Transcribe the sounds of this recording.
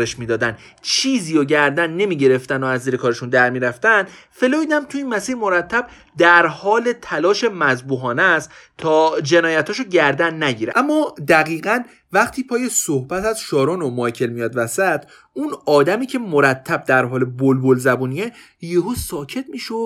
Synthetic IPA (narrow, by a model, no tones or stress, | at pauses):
ɾeʃmiːd̪ɒːd̪æn | t͡ʃʰiːziːjoɟæɾd̪ænːe̞miːɟe̞ɾe̞ft̪ænoæzːiːɾekʰɒːɾeʃund̪æɾmiːɾæft̪ænd̪fe̞loid̪æmt̪ʰuiːnmæsiːɾmo̞ɾæt̪ʰːæb̥̚ | d̪æɾhɒːle̞t̪ʰælɒːʃe̞mæzbuːɦɒːnæst̪t̪ʰɒːd͡ʒenɒːjæt̪hɒːʃoɟæɾd̪ænːæɟiːɾeʔæmːɒːd̪æɣiːɣɢæn | væχt̪ʰiːpʰɒːje̞sohbæt̪æz̥ʃɒːɾonomɒjcʰe̞lmijɒːd̪væsæt̪ʰ | unɒːd̪æmiːcʰe̞moɾæt̪ʰːæb̚d̪æɾɦɒːle̞bolbolzæbuːnie | jeɦosɒːcʰet̪̚miːʃod̪